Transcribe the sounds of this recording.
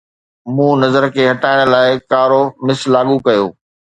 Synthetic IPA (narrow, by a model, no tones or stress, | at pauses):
mũːnɐzəɾkʰeːɦɐʈaːɪɽ̃̆laːɪkaːɾomɪslaːɠukɐjo̰ː